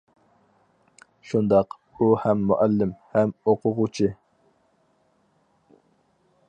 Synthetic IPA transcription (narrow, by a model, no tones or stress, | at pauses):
ʃund̪ɑq | uhɛmːuʔɛlːɪmhɛmoqʰʊʁut͡ʃʰi